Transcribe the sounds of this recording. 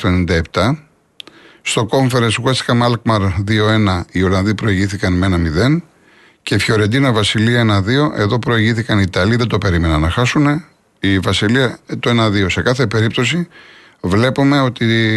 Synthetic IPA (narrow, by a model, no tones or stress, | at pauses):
t̪oenind̪ɐe̞p̚t̪ɐ | st̪o̞ko̞ɱfe̞ɾesɣwest̪i̥kɐmɐlkmɐɾðio̞e̞nɐio̞lɐnðipɾo̞iʝiθikɐnmenɐmiðe̞n | ce̞fço̞ɾe̞nd̪inɐvɐsiliɐe̞nɐðio̞ʔe̞ðo̞pɾo̞iʝiθikɐnit̪ɐliðet̪ope̞ɾime̞nɐnɐxɐsune̞ | ivɐsiliɐt̪ue̞nɐðio̞se̞kɐθe̞pe̞ɾip̚t̪o̞si | vle̞pume̞o̞t̪i